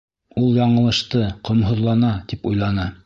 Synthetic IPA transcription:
ulˠjɑɴɤ̆lˠɤ̆ʃt̪ɤqŏmɦŏðlˠɑnɑt̪ipujlˠɑnɑ

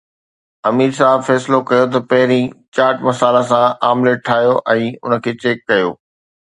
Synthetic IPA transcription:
ɐmiːɾsaːɦbfɛːsɪlokɐjot̪̬ɐpɐɦɪɾĩt͡ɕaːɾʈmɐsaːlasãaːmleʈʰaːɦjoʔɛ̃ːʊ̰nə̆kʰeːt͡ɕeːkːɐjo̰ː

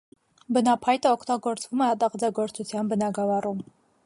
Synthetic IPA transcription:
bənɑpʰɑjt̪əɔkʰt̪ɑɡɔɾt͡svumɛɑt̪ɑʁd͡zɑɡɔɾt͡sʰut͡sʰjɑnbənɑɡɑvɑrum

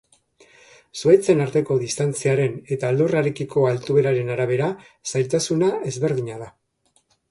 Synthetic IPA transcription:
suet͡se̞naɾt̪e̞ko̞ðist̪ant͡siaɾe̞ne̞t̪aːld̪uraɾekiko̞alt̪uβe̞ɾaɾe̞naɾaβ̞e̞ɾa | sajlt̪asunae̞zβe̞ɾðiɲað̞a

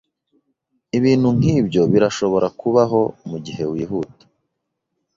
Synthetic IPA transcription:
iβiːn̥huŋ̥hiːbjo̞βiɾaʃo̞βo̞ɾakʰuβaɦo̞muɟiɦe̞wiːɦuːtḁ

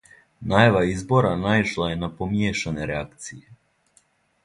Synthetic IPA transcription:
najaʋaizboɾanajiʃlˠajenapomjeʃaneɾeak̚t̪sije

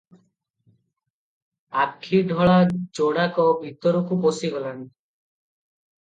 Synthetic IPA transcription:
akʰːiɖʱɔɭad͡ʒoɽakɔbʱit̪ɔɾɔkuposiɡɔlani̥

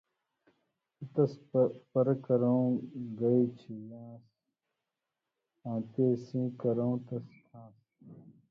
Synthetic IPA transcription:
ut̪ɐspɐɾɐkɐɾɐũɡɐit͡ɕʰijãːs | ãːt̪eːsĩːkɐɾɐũt̪ɐskʰãːs

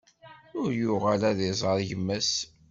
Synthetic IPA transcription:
ʊɾjʊʁælæðizˤəɾˤʝəmːæs

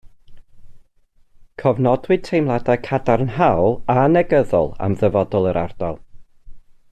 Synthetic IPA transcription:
kʰɔvnɔdwɨd̥̚tʰejmlˠadakʰadaɾnɦawlˠanɛɡəðɔ̰lˠa̰mðəvɔdɔlˠəɾʔa̰rd̥ɔlˠ

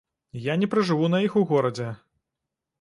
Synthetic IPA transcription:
janʲɛpɾɨʐɨvunɐjixuɣɔɾɐd͡zʲɛ

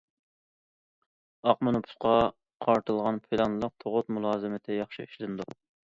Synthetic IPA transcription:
ɑqmonɨpʰu̥sqɑ | qʰɑɾt̪ʰɨlˠʁɑnpʰɪlˠɑnlˠəq̚t̪ʰoʁʊt̪mulˠɑːzɨmɪt̪ʰɪjɑχʃiiʃlɪnɨd̪u

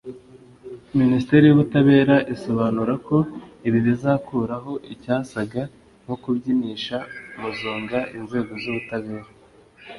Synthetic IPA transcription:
ministe̞ɾijuβutaβe̞ːɾaʔiso̞βaːnuɾako̞iβiβizaːkuːɾaɦo̞ʔicaːsaɡa | ŋho̞kubɟiniːʃamuzuːŋɡaʔinze̞ːɡo̞zuβutaβe̞ːɾa

